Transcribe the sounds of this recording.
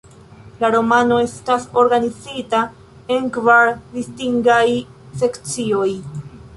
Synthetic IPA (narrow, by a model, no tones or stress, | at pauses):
laɾo̞mano̞e̞staso̞ɾɡanizita | e̞nkvaɾdistiŋɡaj | se̞kt͡sio̞j